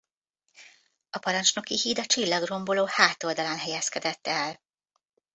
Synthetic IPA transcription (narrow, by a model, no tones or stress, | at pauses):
ɒpɒɾɒnt͡ʃno̞kihiːd̪ɒt͡ʃilːɒɡro̞mboloːhaːt̪o̞ld̪ɒlɒnɦɛjɛskɛd̪ɛt̪ːɛl